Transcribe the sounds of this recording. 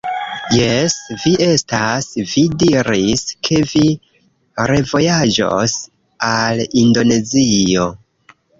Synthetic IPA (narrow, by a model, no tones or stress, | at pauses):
je̞sviʔe̞stasvidiɾiskʰe̞vi | ɾe̞vo̞jad͡ʒo̰s | alindo̞ne̞zio̞